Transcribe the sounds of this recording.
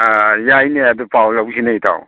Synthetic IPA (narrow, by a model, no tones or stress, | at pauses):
jajneadupawlawsinajtʰa̰w